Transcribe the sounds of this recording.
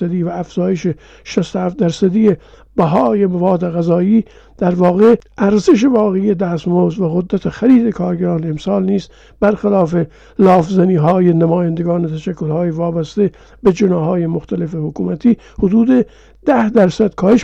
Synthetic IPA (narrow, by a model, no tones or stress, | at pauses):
æd̪iːvæːfz̥ɒːjeʃe | ʃæst̪ohæft̪̚d̪æɾsæd̪ije | bæɦɒːje̞mævɒːd̪eɣæzɒːiː | d̪̥æɾvɒːɣeʔæɾze̞ʃ̬e̞vɒːɣeijed̪æːst̪moːzvæɣod̪ːæt̪ʰexæɾiːd̪ekʰɒːɾɡæɾɒːneemsɑːlniːs | b̥æɾxelɒːfe | lɒːfzæniːɦɒːjenæmɒːjænd̪eɡɒːnet̪ʰæʃækːolhɑːjevɒːbæst̪e | bed͡ʒenɒːɦɒːjemoxt̪ʰæle̞fehokuːmæt̪ʰiː | hod̪uːd̪e | d̪̥æhd̪æɾsæd̪̥kʰɒːheʃ